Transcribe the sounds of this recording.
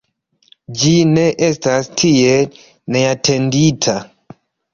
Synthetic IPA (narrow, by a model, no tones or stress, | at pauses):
d͡ʒine̞ʔestastʰie | ne̞atʰe̞nditʰa